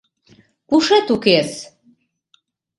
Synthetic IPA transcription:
kuʃet̪ukes

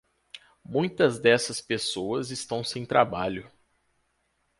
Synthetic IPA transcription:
mũj̃t̪ɐzd̪ɛsɐspesoɐzɪst̪ɐ̃w̃sẽj̃t̪ɾabaʎʊ

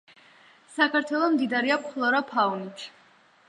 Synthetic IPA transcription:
sakʰaɾt̪ʰwɛlˠɔmd̪id̪aɾiapχlˠɔɾapʰaunit̪ʰ

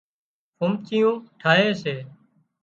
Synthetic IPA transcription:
pʊmt͡ʃijũːʈʰaːɦeːseː

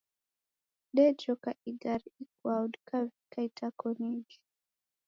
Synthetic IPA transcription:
dɛd͡ʒɔkaʔiɡaɾik̚wawdkavikaitʰakɔniɡi

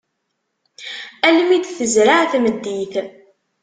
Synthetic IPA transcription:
ælmid̪θəzɾaʕθməd̪ːiθ

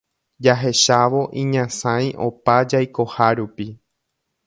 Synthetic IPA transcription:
d͡ʒaɦe̞ʃaʋo̞ʔĩɲãsãj̃ʔo̞pad͡ʒajko̞haɾupi

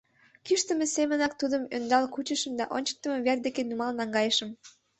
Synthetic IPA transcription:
kyʃt̪əmesemənɑk̚t̪ud̪əmø̰nd̪ɑlkut͡ɕəʃəmd̪ɑʔonʲt͡ɕə̥k̚t̪əmeβerd̪ekenumɑlnɑŋɡɑjəʃəm

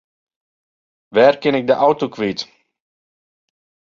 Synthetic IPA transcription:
ʋɛːrkɪnɪk̚dəʔawtokʋit

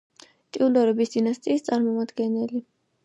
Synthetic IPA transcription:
t̪ʼiund̪ɔɾɛbisd̪̥inast̪ʼiːst̪sʼaɾmɔmad̪ɡɛnɛli

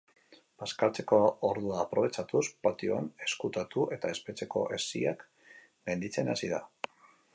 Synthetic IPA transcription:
baskalt͡se̞ko̞oɾðuaːpɾo̞β̞e̞t͡ʃat̪uspat̪ioane̞skut̪at̪uʔe̞t̪ae̞spe̞t͡se̞ko̞̰ʔe̞siak | me̞nd̪it͡se̞nasiða̰

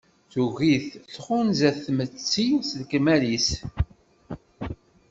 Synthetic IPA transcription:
θuɣiθɬχʊnzæθmət͡sːisðkmælis

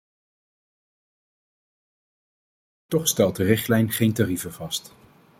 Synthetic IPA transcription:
tɔχstɛlˠt̚dərɪχtlɛjnχejntarivəvɑst

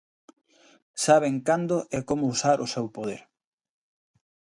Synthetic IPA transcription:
saβeŋkand̪ʊʔɛkomʊusaɾʔʊsewpoð̞ḛɾ

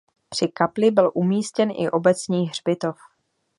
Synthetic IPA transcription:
pr̥ɪkaplɪbɪlʔumiːscɛnʔɪ̰ʔo̞bɛt͡sɲiːxɦr̝bɪt̪o̞f

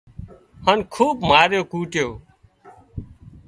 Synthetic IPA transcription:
hənkʰuːbmaːɾjoːkuːʈjoː

